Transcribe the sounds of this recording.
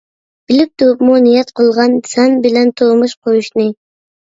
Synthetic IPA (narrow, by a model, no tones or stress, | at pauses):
b̥ilip̚t̪ʰuupmunijɛt̪qʰəlˠʁɑnsɛnbɪlɛnt̪ʰomuʃqʰojuʃnɨ